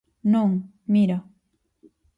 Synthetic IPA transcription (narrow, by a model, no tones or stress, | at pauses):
noŋ | miɾa